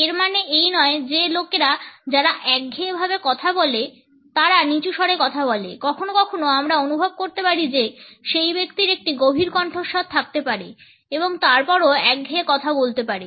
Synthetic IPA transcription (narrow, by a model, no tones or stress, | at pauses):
eɾmaneʔejnɔed͡ʑelokeɾad͡ʑaɾaʔɛk̚ɡʱebʱabekɔt̪ʰabɔle | t̪aɾanit͡ɕuʃɔɽekɔt̪ʰabɔlḛkɔkʰonokɔkʰonoamɾaonubʱob̚koɾt̪epaɾid͡ʑeʃejbekt̪iɾek̚ʈiɡobʱiɾkɔɳʈʰoʃɔt̪ʰːak̚t̪epaɾe | eboŋt̪aɾpɔɾoɛk̚ɡʱeekɔt̪ʰabolt̪epaɾe